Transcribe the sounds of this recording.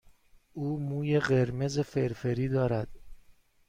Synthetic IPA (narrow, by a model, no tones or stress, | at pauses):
uːmuːjeɢeɾme̞zefeɾfeɾiːd̪ɒːɾæd̪̥